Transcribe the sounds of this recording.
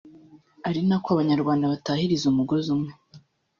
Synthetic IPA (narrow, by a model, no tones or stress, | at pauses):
aɾinakoaβaɲaɾɡwaːndaβatahiɾizumuɡozumŋe